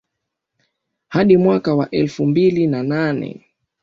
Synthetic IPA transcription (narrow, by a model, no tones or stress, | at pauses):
haɗimwakawaʔɛlfumbilinananɛ̰